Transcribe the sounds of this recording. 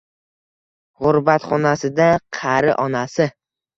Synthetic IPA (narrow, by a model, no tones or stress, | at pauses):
ʁʊɾbat̪χɒnasɪd̪aqʰɑɾɪ̰ʔɒnasɪ